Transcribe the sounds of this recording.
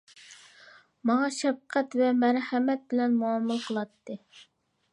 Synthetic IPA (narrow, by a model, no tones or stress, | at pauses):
mɑŋɑʃɛp̚qʰæt̪vɛmæɾhɛmɛt̪̚bɪlɛnmuɑmːɨlˠqʰəlˠɑt̪ːɨ